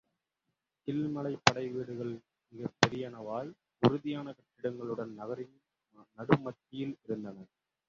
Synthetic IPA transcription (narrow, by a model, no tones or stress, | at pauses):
kɪlmɐɭɐɪpːɐɽɐɪʋeːɽɯɣɐɭ | mɪɣɐpːɛɾɪjɐnɐʋaːl | ʊɾɯðɪjaːnɐkɐʈːɪɽɐŋɡɐɭɯɽɐnnːɐɣɐɾɪn | nɐɽɯmɐt̪ːɪjɪlɪɾɯnd̪ɐnɐ